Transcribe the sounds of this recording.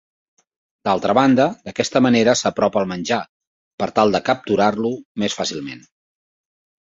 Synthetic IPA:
d̪alˠt̪ɾəβand̪əd̪əkɛst̪əməneɾəsəpɾɔpəlˠmənʲʒa | pəɾt̪alˠd̪əkəp̚t̪uɾarlumesfasilˠmḛn

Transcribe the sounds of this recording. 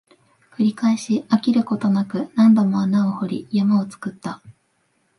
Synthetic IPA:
kɯ̟ɾʲikaeɕiakʲiɾɯ̟ko̞t̪o̞nakɯ̟nãnd̪o̞mo̞anao̞ho̞ɾʲijamao̞t͡sɨ̥kɯ̟t̪ːa

